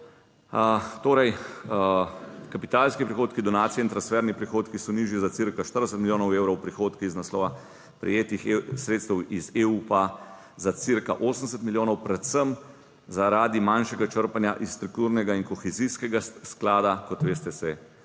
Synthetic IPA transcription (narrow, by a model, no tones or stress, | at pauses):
ət̪oːɾɛj | kapit̪alskipɾixoːt̪kid̪ɔnaːt̪sijɛint̪ɾansfɛɾnipɾixoːt̪kisɔniːʒjizasiɾkaʃt̪əɾd̪ɛs̬ət̪milʲjoːnɔweːwɾɔwpɾixoːt̪kiiznaslɔːʋa | pɾɛ̰jeːt̪ixsɾet̪st̪əwizeːupa | zat̪siɾkaʔoːsən̩d̪ɛs̬ət̪miljoːnɔwpɾɛt̪səm | zaɾaːd̪imanʃɛɡat͡ʃəɾpanjaʔist̪ɾuk̚t̪uːɾnɛɡainkɔxɛziskɛɡasklaːd̪akɔt̪ʋeːst̪ɛsɛ